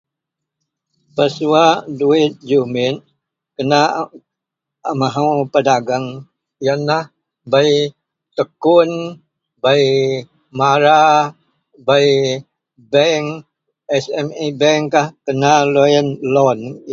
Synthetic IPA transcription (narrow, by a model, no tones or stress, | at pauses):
pəsuaduɪt̪̚d͡ʒumɪt̪̚ | kəna | amaɦawpədaɡaŋ | janah | baj | t̪əkun | bai | maɾa | bai | bɛŋ | ɛsɛmibɛŋkahkənalojənlɔn